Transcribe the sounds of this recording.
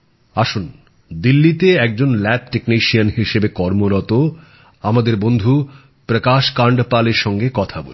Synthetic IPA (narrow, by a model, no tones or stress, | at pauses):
aʃun | d̪ilːit̪eɛk̚d͡ʑonlɛp̚ʈekniʃianɦiʃebekɔɾmoɾɔt̪o | amad̪eɾbond̪ʱu | pɾəkaʃkaɳɖpaleɾʃɔŋɡekɔt̪ʰabo̰l